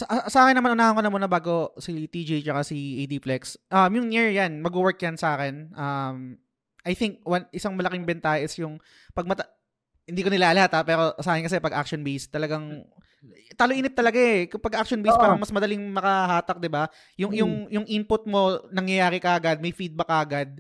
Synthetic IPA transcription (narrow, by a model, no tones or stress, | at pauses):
sɐʔasɐʔaːkɪnːɐmɐnʔʊnaːhɐŋkonɐmonɐbaːɡo̞sit̪id͡ʒit͡ʃɐkasiʔid̪iplɛksʔɐmjʊŋniɹjanmɐɡ̚buwɛɹk̚jansɐʔaːkɛnʔɐm | ʔɐjθɪŋk̚wɐnʔɪsaŋmɐlɐkɪŋbɛnt̪aːhɐʔɪsjʊŋ | pɐɡ̚mɐt̪ɐ | hɪnd̪iːkonɪlaːʔɐlɐhat̪apɛːɾo̞saːhɪnkɐs̬ɛpɐɡʔa̰k̚ʃonbejst̪ːɐlɐɡaŋ | t̪aːloʔiːnɪp̚t̪ɐlɐɡaɛkʊpɐɡʔak̚ʃonbespaːɾɐŋmɐsmɐd̪ɐlɪŋmɐkɐɦaːt̪ɐk̚d̪ɪba | jʊŋjʊŋjʊŋʔinpʊt̪̚mo̞nɐŋjɐjaːɾɪkɐʔɐɡad̪̚mɐjfid̪̚bɐkɐʔɐɡad̪̚